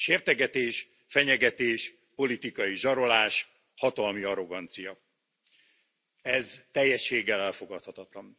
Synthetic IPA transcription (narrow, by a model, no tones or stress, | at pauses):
ʃeːrt̪ɛɡɛt̪eːʃ | fɛɲɛɡɛt̪eːʃ | po̞lit̪ikɒjiʒɒɾo̞laːʃ | hɒt̪ɒlmiɒɾo̞ɡɒnt̪sijɒ | ɛzt̪ɛjːɛʃːeːɡːɛlɛlfo̞ɡɒt̪hɒt̪ɒt̪lɒn